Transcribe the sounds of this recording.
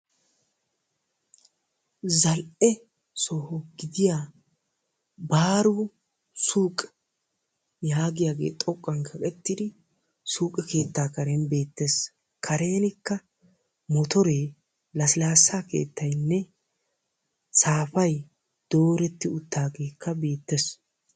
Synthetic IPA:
zɐlʔɛ | sɔhɔɡɪd̪ɪjaː | baːɾu | suːkʼɛ̥ | jaːɡɪjaːɡe̞̰ːt̪ʼɔkʼːɐŋkʰɐkʼɛt̪ːɪd̪ɪ | suːkʼɛke̞ːt̪ːaːkɐɾenbe̞ːt̪ːeːs | kʰɐɾe̞ːnɪkːɐ | mɔt̪ɔɾeː | lɐsɪlaːsːaːke̞̰ːt̪ːɐjnːɛ | saːfɐj | d̪̥o̞ːɾɛt̪ːɪʊt̪ːaːɡe̞ːkːɐbe̞ːt̪ːes

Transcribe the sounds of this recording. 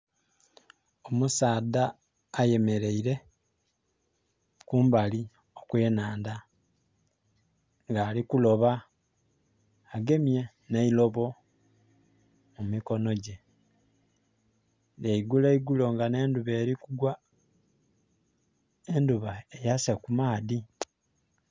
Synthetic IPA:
omusaːdaː | je̞me̞ɾe̞iɾe̞ | kuːmbali | okweːnaːnda | ŋɡaːlikulo̞βa | ɡe̞mje | neilo̞βo̞ | mumiko̞no̞ɟe̞ | jeiɡuleiɡulo̞ŋɡane̞ːnduβe̞ːɾikuɡwa | enduβaejasekumaːdi

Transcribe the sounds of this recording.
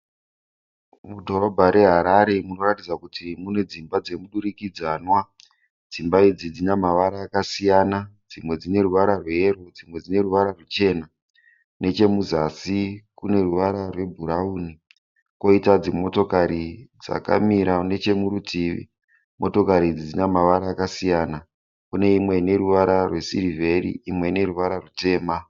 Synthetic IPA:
mudʱo̞ɾo̞bʱaɾe̞ɦaɾaɾe̞muno̞ratid͡zakutʰimune̞d͡zimbad͡ze̞muɗuɾikid͡zanwa | d͡zimbaid͡zid͡zinamaʋaɾaːkasijanad͡zimwe̞d͡zine̞ruʋaɾarwe̞rod͡zimwe̞d͡zine̞ruʋaɾarut͡ʃe̞na | ne̞t͡ʃe̞muzasikune̞ruʋaɾarwe̞bʱuɾauːni | ko̞itad͡zimo̞to̞kaɾid͡za̰ka̰miɾane̞t͡ʃe̞muɾutiːʋḭ | mʔo̞to̞kaɾid͡zid͡zinamaʋaɾaːkasijaːna | kune̞imwe̞ine̞ɾuʋaɾarwe̞sirivʱe̞rḭːmwe̞ine̞ruʋaɾarute̞ːma

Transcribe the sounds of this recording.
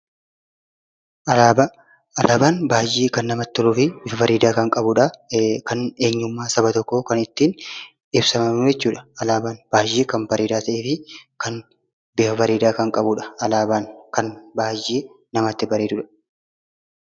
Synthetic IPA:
ʔɐlaːbɐ | ɐlʔaːbaːnbaːjiːkɐnːɐmɐt̪ːɔluːfɪbɪfɐfɐɾiːd̪aːkɐŋkʼɐbʊᶑɐkɐneːɲːʊmːaːsɐbɐt̪ɔkːokɐnɪt̪ːiːn | ɪbsɐmɐmʊjɛt͡ʃːuːᶑɐ̥ɐlaːbaːnb̥aːjiːkɐnbɐɾiːd̪aːt̪ɐʔeːfɪkɐn | bɪfɐfɐɾiːd̪aːkɐŋkʼɐbʊᶑɐ̥ɐlaːbaːŋkɐnbaːjiː | nɐmɐt̪ːɪbɐɾeːd̪ʊᶑɐ̥

